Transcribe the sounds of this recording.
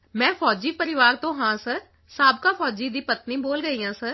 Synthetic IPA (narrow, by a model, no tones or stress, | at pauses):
mɛ̃ːfʰɔːd͡ʒiːpəɾɪʋaːɾt̪õːɦãːsəɾ | saːb̚kaːfʰɔːd͡ʒiːd̪iːpət̪niːboːlɡəiːɦãːsəɾ